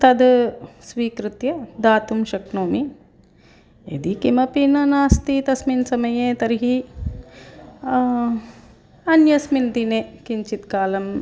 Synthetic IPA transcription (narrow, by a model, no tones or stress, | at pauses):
t̪ɐd̪sʋiːkɾut̪jɐd̪aːt̪umʃɐknoːmi | ḛd̪ikimɐpinɐnaːst̪it̪ɐsminsɐmɐjeːt̪ɐɾɦi | ɐnjɐsmind̪ineːkiɲt͡ʃit̪kaːlɐm